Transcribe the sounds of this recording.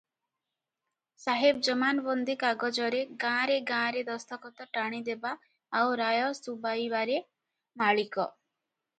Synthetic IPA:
saɦeb̚d͡ʒɔmanbɔnd̪ikaɡɔd͡ʒɔɾeɡãɾeɡãɾed̪ɔst̪ʰɔkɔt̪ɔʈaɽ̃id̪ebaː | wɾajɔsubajbaɾe | maɭikɔ

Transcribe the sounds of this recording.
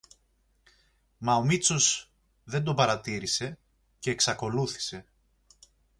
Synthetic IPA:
mɐo̞mit͡so̞s | ðe̞nd̪o̞pɐɾɐt̪iɾise̞ | ce̞ːksɐko̞luθi̥se̞

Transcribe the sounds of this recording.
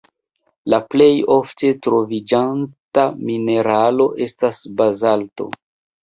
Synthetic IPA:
laple̞jo̞fte̞tɾo̞vid͡ʒantamine̞ɾalo̞ʔe̞stasbazalto̞̰

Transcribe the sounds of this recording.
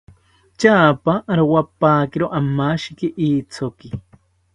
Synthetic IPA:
t͡ʃaːpaʔːɾowapaːkiɾoʔamaʃikiʔiːt͡sʰoki

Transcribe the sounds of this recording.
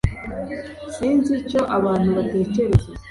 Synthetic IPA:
siːnzico̞ʔaβaːn̥huβate̞ːce̞ɾe̞ze

